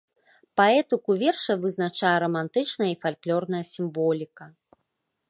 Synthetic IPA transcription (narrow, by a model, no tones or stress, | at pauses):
paɛt̪ɨkuvʲɛrʂɐvɨzn̪at͡ʂajɛɾɐmant̪ɨt͡ʂnɐjɐifalʲklʲɔrnɐjɐsʲimvɔlʲikɐ